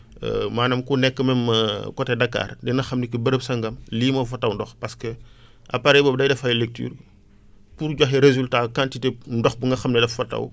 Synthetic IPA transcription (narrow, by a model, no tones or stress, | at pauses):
ɛ̰maːnɐmkunɛkːəmɛmːɐkɔtɛdɐkːa̰ːrdɛnɐxɐmnikibəɾəpsɐŋɡɐmliːmɐfɐtːɐwndɔxpɐskə | ʔɐ̰paɾɛjbɔːbdɐjdɛfɐjlek̚ty̰ːr | puɾɟɔxɛɾezyltakantitendɔxbuŋɡɐxɐmnɛlɐfɐtɐ̰w